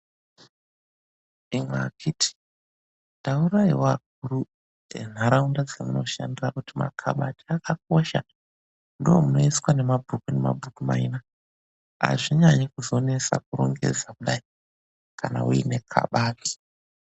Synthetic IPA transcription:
imwakʰitʰi̥ | ndauɾaiwaɡ̚ʱuɾu | ḛn̤aɾaundad͡zemuno̞̰ʃandirakutima̰kʰaɓatiakak̚oʃa̰ | ndoomunoiskwane̞mabʱukune̞ma̰bʱukuma̰ina | a̰ʐiɲaɲikuzo̞ne̞sa̰k̚uro̰ŋɡe̞̰d͡zakuɗai | kana̰uḭne̞kʰa̰ɓaːti̥

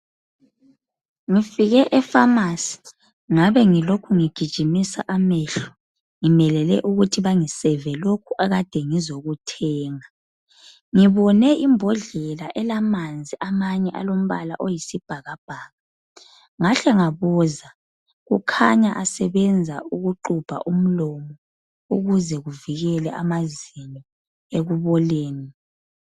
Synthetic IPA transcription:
ŋifiɣɛʔɛfamasi̥ | ŋaβɛŋilokʰuŋiɡ̥ʱid̥ʒ̥ʱimisa̰ʔamɛɬɔ̥ | ŋimɛlɛlɛ̰ʔuɣutʰiβaŋisɛvɛlokʰuʔaɣad̥ʱɛŋizoɣutʰɛːŋa | ŋiβɔnɛʔimbʱɔɮɛlaʔɛlamand͡zʱiʔamaɲɛʔalom̩βala̰ʔojisib̥ʱaɣab̥ʱaːɣa | ŋaɬɛŋaβɔza | ɣukʰa̰ɲaʔasɛβɛnd͡zʱa̰ʔuɣuǃub̥ʱa̰ʔum̩lɔmɔ | uɣuzɛɣuviɣɛlɛʔa̰mazini | eɣuβɔleːni

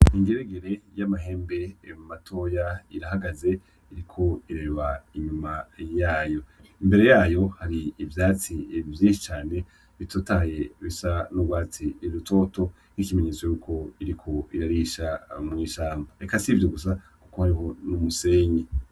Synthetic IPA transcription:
iŋɡe̞ɾeɡeɾe̞jamaɦe̞ːmbe̞mmatʰo̞jaiɾahaɡaze̞ | iɾikʰo̞iɾeːβaiɲumajaːjo̞imbe̞ɾe̞jaːjo̞haɾiːvjaːt͡sivjiːʃit͡ʃaːne̞ | βitʰoːtaːje̞βisanuɡwaːt͡siːɾuto̞to̞ | nikime̞ɲe̞ːt͡sojuːkʰo̞iɾikʰo̞iɾaɾiʃamŋiːʃaːmbaekasivjoɡus̬a | kuko̞haɾiɦo̞numuse̞ːɲe

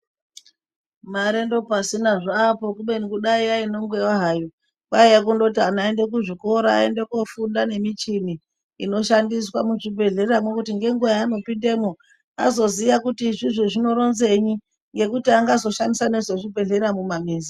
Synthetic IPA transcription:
maɾendo̞pasinaʐaːpo̞kuɓenikuɗaiaino̞ŋɡwewaɦaːjo | kaejak̬undot̬ianaende̞k̬uʐiko̞ɾaa̰endekofundane̞mit͡ʃini | ino̞ʃandiswamuʐibʱe̞ɮe̞amokutiŋɡe̞ŋɡujaːno̞pindemu | a̰zo̞ziʋakutiʐiʐoʐino̞ɾo̞nze̞ɲi | ŋɡe̞kutiaŋɡazo̞ʃandisane̞ʐoʐibʱe̞ɮe̞amumamiːnzi

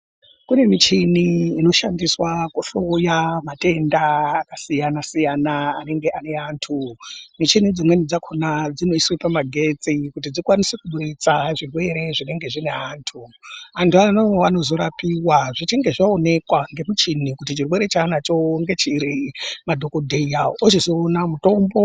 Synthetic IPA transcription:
kune̞mit͡ʃiniːno̞ʃandiswakuɬojamate̞ndaːkasijanasijanaːne̞ŋɡeʔane̞aːntʰumit͡ʃinid͡zimwe̞nid͡zakʰonad͡zino̞iswepamaɡʱe̞t͡sikut̬id͡zikwanisekuɓuɾit͡saʐirwe̞ɾe̞ʐine̞ŋɡe̞ʐine̞aːntʰuantuanoano̞zo̞ɾapiwaʐit͡ʃiŋɡe̞ʐaone̞kwaŋɡe̞mut͡ʃinikutit͡ʃirwe̞ɾet͡ʃaːnat͡ʃoŋɡe̞t͡ʃiɾimadʱo̞kodʱeiaoot͡ʃizoːnamuto̞mbo̞

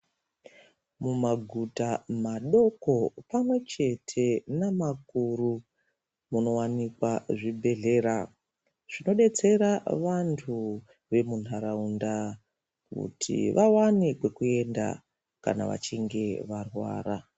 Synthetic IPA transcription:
mumaɡʱutamaɗo̞ko̞pamwe̞t͡ʃe̞tʰe̞namakuɾu | muno̞wanikwaʐibʱe̞ɮe̞ɾa | ʐ̥ino̞ɗe̞t͡se̞ɾaʋantʰu | ʋe̞mun̤aɾaunda | kṵtʰḭʋʔawanekwe̞kue̞nda̰ | ka̰na̰ʋa̰t͡ʃiŋɡe̞ʋarwa̰ːra

